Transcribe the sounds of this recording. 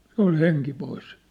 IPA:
se ol heŋki pois

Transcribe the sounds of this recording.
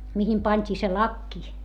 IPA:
mihim pɑnʲtʲiː se lɑkːi

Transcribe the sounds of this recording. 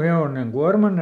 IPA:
heoneŋ kuɑrmɑn

